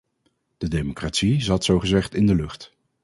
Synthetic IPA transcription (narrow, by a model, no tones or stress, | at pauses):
d̥ədemokraːtsizɑtsowχəzɛχtɪndəlɵχt